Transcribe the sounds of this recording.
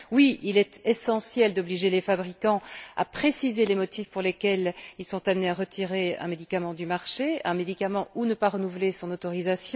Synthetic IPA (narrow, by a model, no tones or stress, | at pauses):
wiilɛt̪ɛsɑ̃sjɛld̪ɔbliʒelefabʁikɑ̃a̰pχesizelemɔt̪ifpuʁlekʲɛlilsɔ̃t̪amneaʁət̪ʰiʁeɛ̰̃med̪ikamɑ̃d̪ymaʁʃeɛ̃med̪ikamɑ̃unəpaʁənuvlesɔ̃not̪ɔʁizasjɔ̃